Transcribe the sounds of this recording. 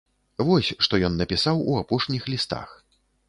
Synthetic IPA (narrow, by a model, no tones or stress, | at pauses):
vɔsʲʂt̪ɔjɔnːɐpʲisawuapɔʂnʲixlʲist̪a̰x